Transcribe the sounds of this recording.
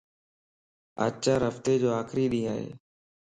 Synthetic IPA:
ə̰t͡ʃaːɾəft̪eːd͡ʒoːaːkɾiːɗĩːaːɦḛː

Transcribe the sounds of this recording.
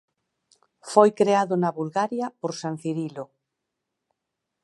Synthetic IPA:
fojkɾeaðʊnaβulɣaɾjapoɾsan̟θiɾilo

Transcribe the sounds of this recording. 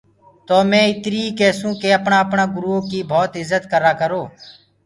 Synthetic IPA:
t̪oːmẽːɪt̪ɾiːkeːsũːkeːəpɳaːəpɳaːɡʊɾuoːkiːbʱoːt̪ɪzːət̪kəɾaːkəɾoː

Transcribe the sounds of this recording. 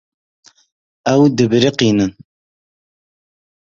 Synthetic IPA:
ɛwd̪ɨbɨɾiqiːnɨn

